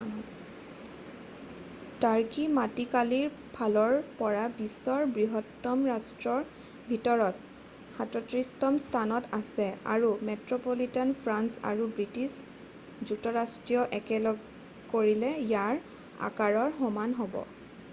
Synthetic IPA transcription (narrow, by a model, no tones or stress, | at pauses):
taɹkimatikaliɹ | pʰalɔɹpɔɹabisːɔɹbɹiɦɔtːɔmɹastɹɔɹ | bʱitɔɹɔt̚ | xãtɔtɹistɔmstʰanɔtasɛa̰ɹumɛtɹɔpolitɔnpʰɹansa̰ɹubɹitis | d͡ʒuk̚tɔɹastɹijɔʔɛkɛlɔɡ | koɹilɛjaɹ | a̰kaɹɔɹxɔmanɦobɔ̰